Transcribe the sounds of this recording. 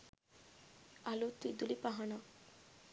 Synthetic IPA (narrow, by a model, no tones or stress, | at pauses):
alut̪id̪ulipaɦaɳa